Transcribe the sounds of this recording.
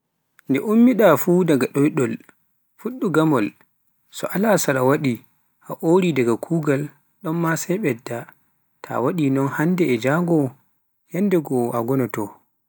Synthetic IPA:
ndɛʔumːiɗafuːdaɡaɗɔjɗɔl | fuɗːuɡamɔl | sɔ̰ʔalasaɾawaɗi | ʔaʔoɾidaɡakʰuːɡal | ɗɔnːasɛjɓɛdːa | tʰa̰waɗinɔnhandɛːd͡ʒaŋɡɔ | jandɛɡɔaɡɔnɔtɔ

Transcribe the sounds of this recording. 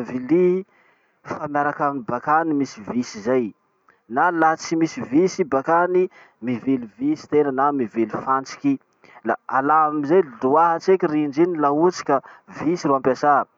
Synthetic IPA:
vili | famjaɾakamibakanimisivisizaj | nalat͡simisivisibakani | mivilivisi̥t̪enənamivilifant͡si̥kʲi | la̰alaamizajluaɦat͡sekʲirind͡ʒinilaut͡si̥kʲavisiɾuampasa

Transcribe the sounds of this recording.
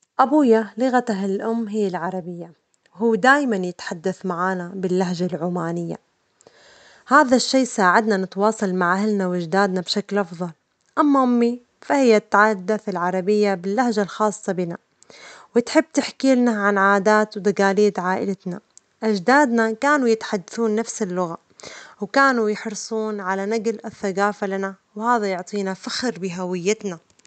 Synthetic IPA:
ʔabuːjalɪɣat̪aɦllʔʊmːɦɪjːalʕɑɾˤɑbɪjːa | wɦuːd̪aːjmanjɪt̪ħad̪ːaθmaʕaːnabɪlːaɦʒalʕuːmaːnɪjːa̰ | haːðaʃːeːsaːʕad̪nanɪt̪wɑːsˤɑlmaʕʔahlnawʔad͡ʒd̪aːd̪nabʃaklʔɑfðˤɑl | ʔamːaʔʊmːi | fahɪjːat̪ːaʕad̪ːaθɪlʕɑɾˤɑbɪjːabɪlːahʒalxɑːsˤːɑbiːna | wɪt̪ħɪbːt̪ɪħkiːlnaʕanʕaːd̪aːt̪wd̪aɡaːliːd̪ʕaːʔɪ̰lat̪na | ʔad͡ʒd̪aːd̪nakaːnujɪt̪ħad̪ːaθuːnːafsɪlːʊɣa | wkaːnujɪħɾsˤuːnʕalanaɡlaθːaɡaːfalana | whaːðajʊʕt̪ˤiːnafaxɾbɪɦawɪjːɪt̪na

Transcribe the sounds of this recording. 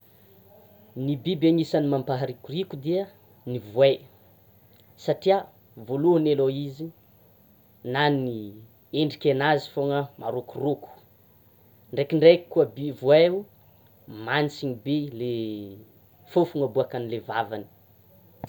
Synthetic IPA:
nibibaɲisanimampaɦaɾikʲurikud̪iə | nivue | saʈ͡ʂia | voluɦəneloizi | nani | eɳɖ͡ʐikʲenazi̥foŋəmaɾokuruku̥ | ɳɖ͡ʐekiɳɖ͡ʐeki̥kuəbivueu | mant͡siɲibele | fofuŋəbuakanilevavani̥

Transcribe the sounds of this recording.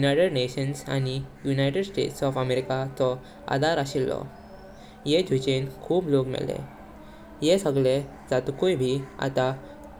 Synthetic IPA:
junajʈeɖneɕənsa̰nijunajʈeɖsʈḛʈsɔfəmeɾikat͡sɔ | a̰d̪aɾaɕilːɔ̰ | jed͡ʑʱut͡ɕenkʰuːblokmɛ̰lḛ | jesəɡɭe | d͡zat̪ukujbʱia̰t̪a

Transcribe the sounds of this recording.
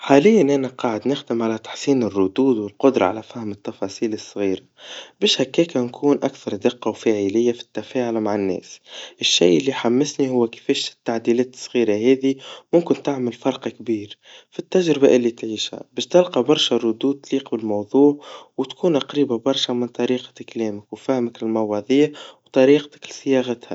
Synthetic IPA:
ħaːlɪjːanʔænaqɑːʕɪd̪nɪxd̪ɪmʕalæt̪ḁħsiːnɪrˤːʊd̪uːd̪wɪlqʊd̪ɾˤɑ̰ʕalæfahmɪt̪ːɑfɑːsiːlɪsˤːɣiːɾabɛːʃhækːeːkankʰuːnʔakθɑɾˤd̪ɪqːɑwfaːʕiːlɪjːafi̥t̪ːafeːʕʊlmaʕɪnːɛ̰ːsʔɪʃːḭːʔɪlːiħamːɪsnihʊwːkɪ̥fɛːʃt̪ːaʕd̪iːlɛːt̪ɪ̥sˤːɣiːɾaɦɛːðimʊmkɪnt̪ɪʕmɪlfɑɾˤqkbiːɾ | fit̪ːaʒɾɪbaʔɪlːit̪ʕiːʃhæ̰bɛːʃt̪ɪlqɑbɑɾˤʃarˤʊd̪uːd̪̚t̪liːqbɪlmɑwðˤuːʕwt̪kʰuːnʔaqɾiːbabɑɾˤʃamɪnt̪ˤɑɾiːqɪklɛːmɪkwfæhmɪklɪlmɑwɑðˤiːwt̪ˤɑɾiːqt̪ɪ̥klsɪjɑɣat̪ha̰

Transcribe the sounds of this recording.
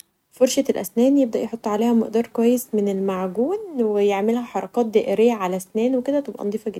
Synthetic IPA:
foɾʃæt̪elʔæ̰snæːnjeb̚d̪æʔjeħot̪ˤːʕaleːhæmḛʔd̪ɑːɾˤkowæːjːesmenelmaʕɡuːnwejeʕmelhæħɑɾˤɑkɑːt̪̚d̪æːʔeɾejːæʕalæsnæːnweked̪æt̪ˤɑbʔæ̰nɑd̪ˤiːfɑɡed̪

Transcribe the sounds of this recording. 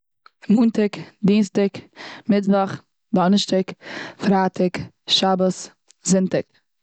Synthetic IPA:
muːntɪkdiːnstɪkmɪdvaχ | dɔnəʃtɪkfɾaːtɪk | ʃabəs | zɪntɪk

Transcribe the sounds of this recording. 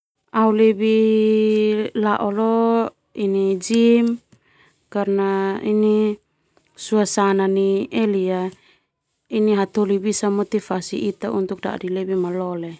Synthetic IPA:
aulebi | laʔɔlo | inid͡ʒim | karnaini | suasananielia | iniɦat̪olibisamot̪ifasḭʔit̪aunt̪uk̚da̰ʔdilebimalɔle

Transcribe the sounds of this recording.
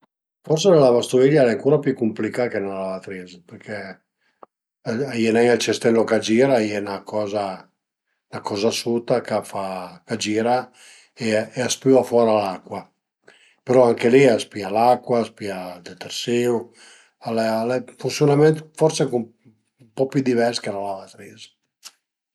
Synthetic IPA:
fɔɾsenelavast̪uviʎːaɛɛaŋkuːɾapjukːumplikakenelavat̪ɾizpeɾkʰe | ajɛnaŋalt͡ʃɛst̪ɛlːokad͡ʒiːɾaiɛnakʰɔːza | nakɔːzasut̪akafakad͡ʒiːɾa | eːaspivafwɔːɾalakːwa | peɾɔaŋkeliaspialakːwaspiald̪et̪eɾsiu | alɛlɛfunsjonament̪fɔɾsekum | umpɔpjud̪ivɛɾskenalavat̪ɾiːz

